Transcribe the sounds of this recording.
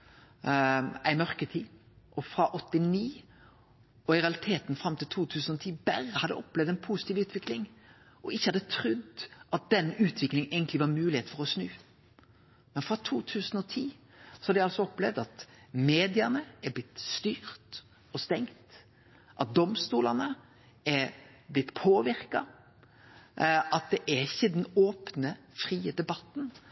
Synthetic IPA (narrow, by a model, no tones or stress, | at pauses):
æɪmœʁkət̪ʰiː | ʔɔfɾɑʔɔt̪ːɪniː | ɔɪɾɛɑlɪt̪ʰeːt̪nfɾɑmt̪ɪlt̪ʰuːt̪ʰʉːsnɔt̪ʰiːbæɾəhɑd̪ɛ̰ɔplɛvd̪æɪnpʰuːsɪ̥t̪iːʋʉːt̪ʰʋɪklɪŋ | ʔɔɪçːəhɑd̪ət̪ʰɾʉd̪ʔɑt̪̚d̪ɛnːʉːt̪ʰʋɪklɪŋæɪɡənt̪lɪʋɑɾmʉːlɪheːt̪fɔɾɔsnʉː | mɛnfɾɑt̪ʰuːt̪ʰʉːsənɔt̪ʰiː | sɔ̥hɑd̪ɪɑlsɔɔplɛʋd̪ɑt̪meːd̪ɪɑnəæblɪt̪st̪yːɾt̪ | ɔst̪ɛŋt̪ | ʔɑt̪̚d̪ɔmst̪uːlɑnə | ɛblɪt̪ːpʰoːʋɪɾkɑ | ʔɑt̪̚d̪ɛʔæɾɪçəd̪ɛnoːpnə | fɾiːəd̪ɛbɑt̪ːn